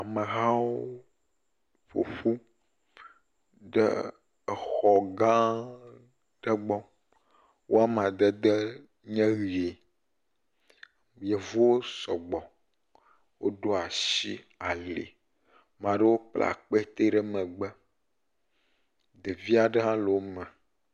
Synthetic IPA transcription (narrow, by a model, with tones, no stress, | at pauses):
a˨mə˨ɦa˦wo˦ | ɸo̰˨ɸu˦ | ɖə̰˦˨ | xɔ˨ɡã˦ | ɖ̥ə˦ɡ͡bɔ˦ | wʔo˦a˦m˨ã˨d̪ə˦d̪ə˦ | ɲɛ̃˦ɣi˨e˨ | je˨vu˦wo˦sɔ˨ɡ͡bɔ˨ | wo˦ɖo˦a˨ʃi˦ | a˨lḛ˨ | mã˨ɖə˦wo˦k͡pla̰˨k͡pe˦t̪e˦ɖə˦mə̃˨ɡ͡bɛ˦ | d̪ə˨vi˦a˨ɖə˦ɦã˦lo˨wo˦mɛ˨